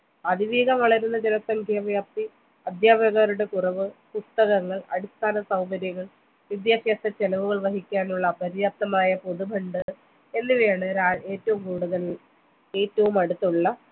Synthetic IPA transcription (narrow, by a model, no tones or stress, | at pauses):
ɐðiʋiːɡɐmʋɐɭɐɾunːɐd͡ʑenɐsɐŋkʰjaʋjaːp̚t̪i | ɐd̪ʱjaːbʱɐɣaːɾuɽe̞kurɐʋɨpust̪ɐɣɐŋːɐɭɐ̰ɽist̪ʰaːnɐsɐwbɐɾjɐɣɐɭ | ʋid̪jaːɕeːsɐt͡ɕelɐʋuɣɐɭʋɐɦikʲːaːnuɭːɐpɐɾjaːp̚t̪ɐmaːjɐpo̞ðubʱɐɳɖɨ | e̞nːiʋeːɳɨɾaːle̞ːtːɐʋumkuːɽuðɐl | e̞ːtːɐʋumɐɽut̪ːuɭːɐ